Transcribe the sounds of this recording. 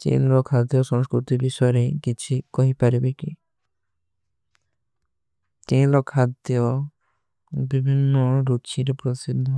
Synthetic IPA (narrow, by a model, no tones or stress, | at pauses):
t͡ʃḛnlɔkʰad̪jɔsɔ̃ŋskɾut̪ibiʃɔɾekit͡ʃʰikɔɦipaɾibeki | t͡ʃẽlɔkʰad̪jɔ | bibʱinːɔɾut͡ʃʰiɾepɾot̪isid̪ʱːɔ